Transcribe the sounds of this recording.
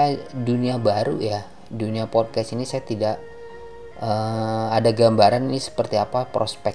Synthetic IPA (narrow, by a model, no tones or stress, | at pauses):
aduniabaɾṵja | duniapɔd̚kɛsinisajat̪idaʔ | əadaɡambaɾaninisə̥pərt̪iapapɾospɛ